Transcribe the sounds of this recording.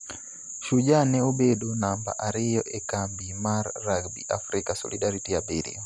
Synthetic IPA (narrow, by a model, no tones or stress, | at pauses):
ʃud͡ʒanɛɔbɛɗɔnamba̰ʔaɾijɔʔɛkambimaɾːaɡbḭʔa̰fɾikasɔ̰lḭɗaɾitijabɛɾḭɔ